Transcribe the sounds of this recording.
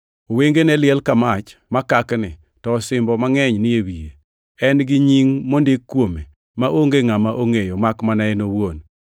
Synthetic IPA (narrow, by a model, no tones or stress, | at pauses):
oweŋɡenɛlɪɛlkamat͡ʃmakaknɪ | tɔsɪmbɔmaŋɛɲnɪjewije | ɛnɡɪɲiŋmondɪkːwome | maʔoŋɡeŋamaʔoŋejomakmanaenowon